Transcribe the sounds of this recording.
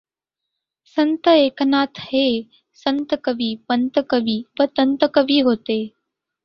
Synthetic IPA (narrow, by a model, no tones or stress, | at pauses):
sə̃nt̪əeːkənaːt̪ʰheː | sə̃nt̪əkəʋiːpənt̪əkəʋiːpət̪ənt̪əkəʋiːɦoːt̪eː